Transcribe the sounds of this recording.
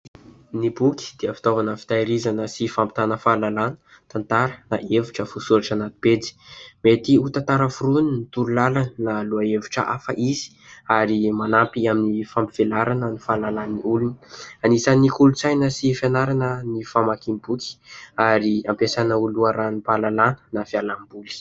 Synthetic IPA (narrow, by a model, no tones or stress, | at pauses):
nibukʲi̥d̪̥eəfi̥t̪ovanəfi̥t̪aiɾizanəsifampi̥t̪anəfalalanə̥ | t̪ant̪aɾənaʔevuʈ͡ʂəfusuɾaʈ͡ʂanat̪i̥ped͡zi̥met̪iut̪at̪aɾəfuɾuninit̪ululalannaluaevuʈ͡ʂəʔa̰fə̰ʔiz̥i̥ | aɾimanampiaminifampiv̥elaɾanənifalalaniulunəanisanikulut͡sajnəsifanaɾanənifamakimbuki̥aɾiampesanəuluaɾanipalalanə̥nafialambuli̥